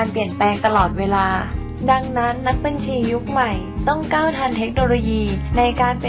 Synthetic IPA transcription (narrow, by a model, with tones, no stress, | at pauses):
a˧npli˨˩ənplɛː˧ŋt̪a˧lɔː˨˩t̪̚weː˧laː˧ | da˧ŋna˦˥nːa˦˥k̚ba˧nt͡ɕʰiː˧ju˦˥k̚ma˨˩j | t̪ɔ˥˩ŋkaː˥˩wt̪ʰa˧nt̪ʰe˦˥k̚noː˧loː˧jiː˧na˧jkaː˧np